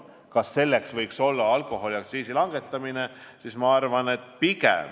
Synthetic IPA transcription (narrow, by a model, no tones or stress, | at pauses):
kɑsːe̞lːe̞ksvɤjkso̞lːɑɑlko̞ɦo̞liɑkt̪siːsilɑŋɡ̥e̞t̪ːˑɑmine̞sismɑɑrvɑne̞t̪pikḛm